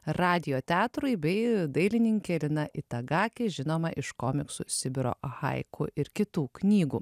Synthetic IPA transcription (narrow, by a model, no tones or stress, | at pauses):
ɾɑːd̪ʲɪjoːt̪ʲæːt̪ɾʊɪbʲɛɪd̪ɐɪlʲɪnʲɪŋʲkʲɛlʲɪnɐʔɪt̪ɐɡɑːkʲeʒʲɪnoːmɐʔɪʃkoːmʲɪksṵsʲɪbʲɪɾo̰ːɣɐ̰ɪkʰʊʔɪɾkʲɪt̪uːknʲiːɡuː